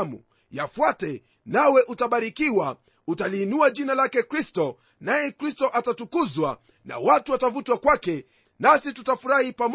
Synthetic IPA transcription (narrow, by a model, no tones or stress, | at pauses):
mṵ | jafwatɛ | nawɛʔutaɓaɾikiwa | utaliːnuaʄinalakɛkɾistɔ | najɛkɾistɔʔatatukuzwa | na̰watuwatavutwakwakɛ | nasitutafuɾahipam